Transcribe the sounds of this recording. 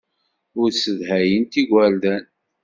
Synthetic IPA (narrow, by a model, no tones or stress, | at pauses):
ʊɾsəðhæjənt̪iɡʷæɾd̪æn